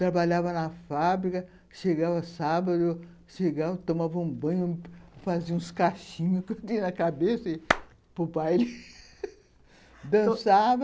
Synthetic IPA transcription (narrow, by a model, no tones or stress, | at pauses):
t̪ɾabaʎavɐnɐfabɾikɐ | ʃeɡavɐsabɐd̪ʊ | ʃeɡavɐt̪õmavɐũbɐ̃ɲʊfaziɐũskaʃĩɲʊkẽt̪inɐkabesɐi | popajelɪ | d̪ɐ̃savɐ